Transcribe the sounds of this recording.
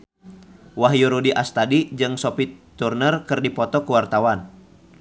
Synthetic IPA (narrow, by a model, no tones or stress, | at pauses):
waɦjuɾudiʔast̪adid͡ʒɨŋsɔpit̪urnərkɨrdipɔt̪ɔkuwart̪awan